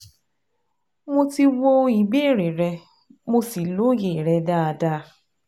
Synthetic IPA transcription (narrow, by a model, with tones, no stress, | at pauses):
mo˦ti˦˧wo˧i˨ɡ͡be˦˨ɾe˨ɾe˧ | mo˦si˨lo˦je˨ɾɛ˨da˦a˨da˦˧